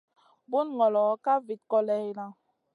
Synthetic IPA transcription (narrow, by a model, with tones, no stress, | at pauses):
bu˦nŋɔ˨lɔ˨˦ka˦vi˨t̚kɔ˦lɛ˦i˦la˦